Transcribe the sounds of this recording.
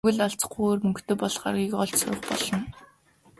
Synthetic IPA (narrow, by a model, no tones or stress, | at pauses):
ɘ̆ɮaɮt͡sχuːoːrmɵŋkt̪eːpɔɮχa̰rɣʲiːkɔɮt͡ɕsʊ̰rə̆χpɔ̰ɮɞ̆n